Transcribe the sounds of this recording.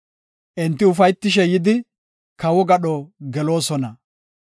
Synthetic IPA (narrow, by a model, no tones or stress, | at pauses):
ʔɛnt̪ːɪʊfɐjt̪ːɪʃ̬ɛjɪd̪ɪ | kɐwɔɡɐɗɔɡɛlo̞ːsɔnɐ